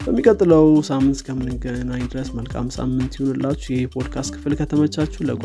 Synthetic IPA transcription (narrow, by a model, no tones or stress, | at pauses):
b̥əmːikʼət̪ʼːləwsamːɨnt̪kʰəmɨnɨɡnajd̪ɨɾəsməlkʼa̰msa̰mːɨnt̪jɪhonɨlːat͡ʃːujɛhepʰo̞d̪kʰast̪kʰɨ̥flkʰət̪ʰəmət͡ʃːat͡ʃːuləkʼ